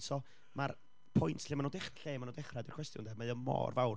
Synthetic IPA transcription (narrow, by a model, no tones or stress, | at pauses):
tʰɔ | mar | pʰɔjntʰɬɪːmanudɛχraɬeːmanudɛχradirkʰw̥ɛstjʊ̰ndamaðəmɔ̰ːrvawr